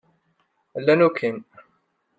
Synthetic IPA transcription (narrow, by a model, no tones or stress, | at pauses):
əlːænukʰin